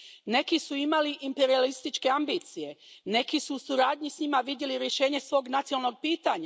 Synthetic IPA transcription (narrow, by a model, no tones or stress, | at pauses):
ne̞kisuimaliʔimpe̞ɾialist̪it͡ʃke̞ambiːt̪sije̞ne̞kisuːsuɾaːd̪ɲisɲimaʋid̪jeliɾje̞ʃe̞ːɲe̞sʋo̞ːɡnat̪siolˠno̞ɡ̚piːt̪aɲa